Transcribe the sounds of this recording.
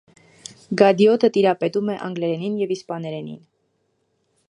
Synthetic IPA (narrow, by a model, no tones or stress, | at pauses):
ɡɑd̪jɔt̪ət̪iɾɑpɛt̪umɛʔɑ̰ŋɡlɛɾɛninjɛvispɑnɛɾɛnḭn